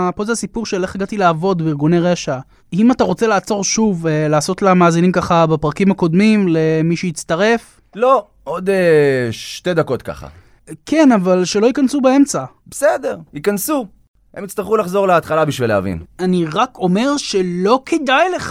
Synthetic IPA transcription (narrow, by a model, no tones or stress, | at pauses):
pozasipuʁʃeleχeɡat̪ilaːvo̞d̪biʁɡuneʁeʃa | imataʁo̞t͡se̞laːt͡so̞ʁʃuvlaːso̞t̪lamaːzinimkaχabapʁakimhako̞d̪mimle̞miʃeit͡st̪aʁe̞f | lo̞ | od̪eʃt̪e̞d̪ako̞t̪ka̰χa̰ | ke̞navalʃe̞lo̞ikansubae̞mt͡sa | besedeʁikansu | hemit͡st̪aʁχulaχzo̞ʁleat̪χalabiʃvilea̰vḭnaniʁakʰo̞me̞ʁʃelo̞kʰed̪ajleχ